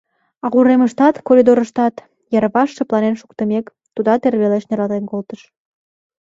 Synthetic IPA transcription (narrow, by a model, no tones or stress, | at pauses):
ɑɣuɾeməʃt̪ɑt̪koɾid̪oɾəʃt̪ɑt̪ | jɑrβɑʃːeplɑnenʃu̥kt̪əmek | t̪ud̪ɑt̪erβeleʃneɾɑt̪enkolt̪əʃ